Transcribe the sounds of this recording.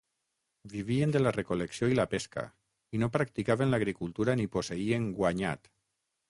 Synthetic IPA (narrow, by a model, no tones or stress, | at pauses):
biβ̞iend̪elarekoleksjoilapeska̰ | inopɾak̚t̪ikaβenlaɣɾikulˠt̪uɾaniposeieŋɡwaɲa̰t̪